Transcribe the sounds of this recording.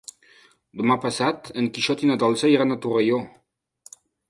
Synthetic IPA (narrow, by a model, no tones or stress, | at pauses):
d̪əmapasat̪əŋkiʃɔt̪inad̪ɔlsaiɾanat̪urejo